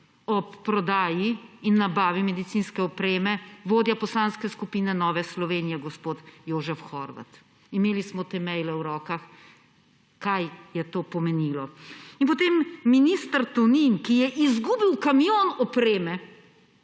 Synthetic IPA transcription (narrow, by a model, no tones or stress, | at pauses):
ɔpːɾɔd̪aːjiinːabaːʋimɛd̪it̪siːnskɛɔpɾeːmɛʋoːd̪japɔslanskɛskupiːnɛnɔːʋɛslɔʋeːnijɛɡɔspoːt̪joːʒɛfxɔɾʋa̰t̪ | imeːlismɔt̪emɛjlɛwɾɔːkax | kajjɛt̪oːpɔmɛnilɔinpɔt̪eːmːiniːst̪əɾt̪uninkijɛʔizɡuːbiwkamijonɔpɾeːmɛ